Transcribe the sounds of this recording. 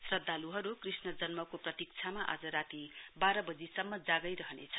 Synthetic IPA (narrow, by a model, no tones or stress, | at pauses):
srʌd̪ʱːaluɦʌɾukrisnʌd͡zʌnmʌkoprʌt̪ik̚t͡sʰamaʔa̰d͡zʌɾat̪ibaɾʌbʌd͡zisʌmːʌd͡zaɡʌjɾʌɦʌnḛt͡sʰʌ̥